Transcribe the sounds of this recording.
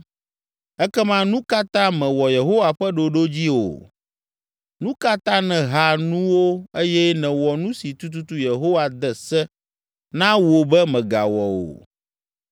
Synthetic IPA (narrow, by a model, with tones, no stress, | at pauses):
ɛ˦kɛ˦mã˦nũ˦ka˦t̪ã˦mɛ̃˨wɔ˨je˨ɦo˦wa˨ɸɛ˦ɖo˨ɖo˦d͡ʑi˦o̰˨ | nũ˦ka˦t̪ã˦nɛ̃˨ɦa˨nũ˦wo˦e˦jɛ˦nɛ̃˨wɔ˨nũ˦si˨t̪u˦t̪̬u˦t̪u˦je˨ɦo˦wa˨d̪ɛ˨sɛ˦ | nã˦wo˨bɛ˦mɛ̃˨ɡa̰˨wɔ˨wo̰˨